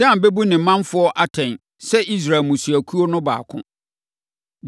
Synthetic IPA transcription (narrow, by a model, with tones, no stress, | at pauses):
dã˦˨m˨be˦bu˦nɪ̃˨˦mã˦nfʊ˦ɔ˦ʔa˦tʰɛ̃˨n | sɛ˦ʔi˦s̬ɾa˨lmũ˨su˨æ˨kʰu˦o˦nʊ̃˦ba̰ː˨kʰʊ̰̃˦